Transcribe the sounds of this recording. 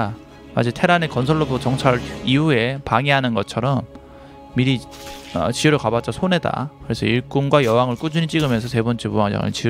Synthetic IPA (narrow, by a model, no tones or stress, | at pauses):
ma̰d͡ʑitʰe̞ɾane̞kʌnsʰʌɭːobot͡ɕʌŋt͡ɕʰaɾiue̞paŋiɦanɯnɡʌt͡ɕʰʌɾʌmː | iɾi | ʌ̰t͡ɕiuɾokabat͡ɕ͈ʌsʰone̞da̰kɯɾe̞sʰʌ̰iɭk͈unɡwajʌwaŋɯɭk͈ud͡ʑuɲit͡ɕ͈iɡɯmjʌnsʰʌse̞bʌnt͡ɕ͈epuaŋd͡ʑa̰ŋɯ̰ɭt͡ɕi